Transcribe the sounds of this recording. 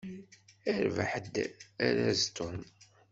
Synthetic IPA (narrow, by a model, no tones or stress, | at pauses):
æɾva̰ħd̪æɾæzt̪ʊm